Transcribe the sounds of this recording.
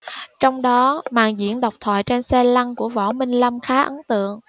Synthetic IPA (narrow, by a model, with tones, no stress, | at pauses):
t͡ɕɔ˧wŋ͡mɗɔ˨˦ma̰ː˨˩ŋzḭ˧˥ənɗa˨˩wk͡p̚t̪ʰwa̰ː˧˨jt͡ɕe˧nsɛ˧la˧ŋku˧˩əvɔ̰˧˩mï˧ŋ̟lə˧mxaː˨˦ʔə˨˦nt̪ɨ̰˧˨əŋ